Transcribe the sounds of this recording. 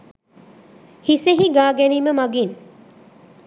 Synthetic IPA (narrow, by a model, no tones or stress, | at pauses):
hiseɦiɡaːɡæniːməmaɡin